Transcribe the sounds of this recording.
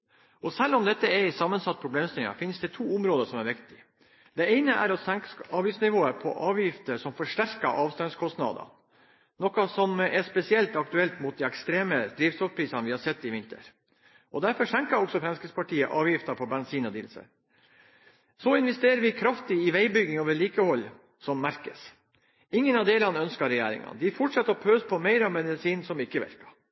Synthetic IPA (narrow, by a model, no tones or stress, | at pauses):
ɔsɛlːɔmd̪ɛt̪ːəɛɪsɑmːənsɑt̪ːəpʰɾʊbleːmst̪ɪlɪŋɑ̰fɪnsd̪ɛt̪ʰuːʊmɾoːd̪əʂɔmæɾʋɪkt̪ɪ | d̪̥ɛeɪnəʔæ̰ɾɔsɛŋkɑːʋjɪft̪snɪʋoːəɾpʰɔ̰ʔɑːʋjɪft̪əʂɔmfɔʂʈæɾkɑʔɑːʋst̪ɑnskʰɔst̪nɑ̰d̪ɑ̰ | nɔkɑsɔmɛʂpɛsɪɛlt̪ɑk̚t̪ʉɛlt̪mʊt̪̚d̪iɛkst̪ɾeːməd̪̥ɾiːʋsʰɔɾpʰɾiːsɑnəʋɪhɑɾsɛt̪ːɪʋɪnt̪ə̰ɾ | ʔɔd̪æɾfɔʂɛŋkɑɾɔksɔfɾɛnskəspɑʈʰiːəʔɑːʋjɪft̪ɑpʰɔbɛnsiːnɔd̪iːlsə̰ɾ | sɔɪnʋɛst̪eːɾəʋɪkʰɾɑft̪ɪɪʋæɪbʏɡːɪŋoːʋəɭiːkəhɔlː | sɔmːæɾkəs | ɪŋːənɑd̪eːlɑnəœnskɑɾɛjæ̰ːɾɪ̰ŋɑ̰nd̪ɪfɔʈʂɑt̪ːəɔpʰøːspʰɔmæɪɾɑmɛd̪ɪsiːnsɔmɪkːəʋɛ̰ɾkɑ̥